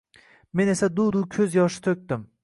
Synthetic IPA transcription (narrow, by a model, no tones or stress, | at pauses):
me̞ne̞sad̪ud̪ukʲʰɵzjɒʃɪ̥t̪ʰɵk̚ʲt̪ɪm